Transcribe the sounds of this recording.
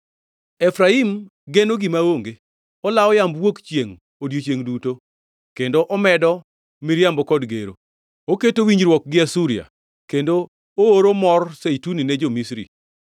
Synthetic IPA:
efɾaimɡenoɡɪmaoŋɡe | ɔlaɔjambwokt͡ʃjeŋ | odjot͡ʃjeŋduto | kendoʔɔmɛdɔ | miɾjambɔkɔdɡḛɾo̰ | oketowiɲd͡ʒɾwɔk̚ɡɪasuɾia̰ | kendo | ooɾomɔrsejtuninɛd͡ʒomisɾḭ

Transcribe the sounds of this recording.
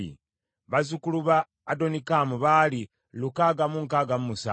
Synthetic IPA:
ḭ | βazukuluβaː | do̞nikamuβaːli | lukaːɡamuŋkaːɡamumusa̰

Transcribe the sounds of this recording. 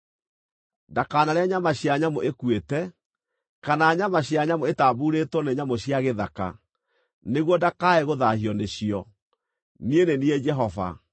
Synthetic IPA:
dakaːnaɾeaɲamaɕjaɲamoʔekwetɛ | kanaɲamaɕjaɲamoetabuːɾetwɔneɲamoɕjaɣeðaka̰ | neɣwɔdakaɛɣoðahiɔneɕiɔ | nienenied͡ʒɛɦɔva̰

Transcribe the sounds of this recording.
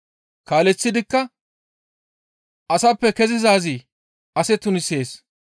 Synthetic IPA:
kaːlɛt͡sːɪd̪ɪkːɐ | ɐsɐpːɛkɛzɪzaːzi | ɐsɛt̪ːʊnɪse̞ːs

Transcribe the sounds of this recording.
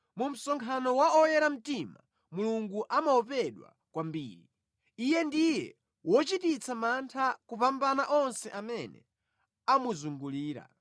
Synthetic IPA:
mum̩sɔŋkʰanɔwaɔjɛɾam̩tima | muluŋɡuʔamaɔpɛɗwa̰ | kwambḭːɾi | ijɛndijɛ̰ | wɔt͡ʃitit͡samantʰakupambanaʔɔnsɛʔamɛnɛ̰ | amuzuŋɡuliːɾa̰

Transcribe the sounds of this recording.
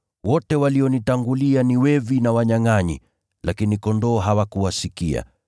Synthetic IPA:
wɔtɛwaliɔnitaŋɡulianiwɛvinawaɲaŋaɲḭ | lʔakinikɔndɔːɦawakuwasikia̰

